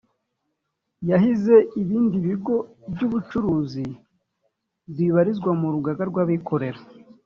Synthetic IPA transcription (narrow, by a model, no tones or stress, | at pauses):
jaɦize̞iβiːndiβiɡo̞bɟuβut͡ʃuɾuːzi | bbiβaɾizɡwamuɾuɡaɡaɾɡwaːβikʰo̞ɾe̞ɾa